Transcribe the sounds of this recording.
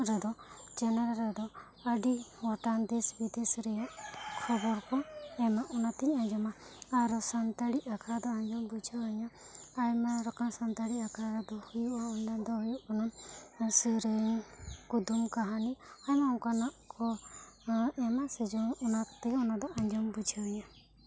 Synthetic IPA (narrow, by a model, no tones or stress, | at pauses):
ɾɛd̪ɔd͡ʒɛnɛɾɾɛd̪ɔ | əɖiɔʈand̪ɛsbid̪isɾɛjaʔkʰɔbɔɾkɔɛmaʔunat̪iɲaɲd͡ʒamaaɾɔsant̪aɽiʔakʰad̪ɔaɲd͡ʒɔmbud͡ʒaaɲaː | jmaɾakamsant̪aɽiakʰaɾad̪ɔhujuaɔnɖad̪ɔɦujuʔkɔnasəɾəɲkud̪umkaɦaniajmawkanaʔkʰɔ | ɛmasɛd͡ʒɔnunakt̪ɛɔnad̪ɔʔaɲd͡ʒɔmbud͡ʒʱawɲa